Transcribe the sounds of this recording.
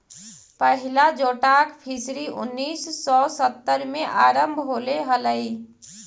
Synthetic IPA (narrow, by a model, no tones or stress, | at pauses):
pəɦilad͡ʒoʈakpʰisɾiʔṵnːisːɔsət̪ːəɾmeʔaɾəmbʱɦoleɦələj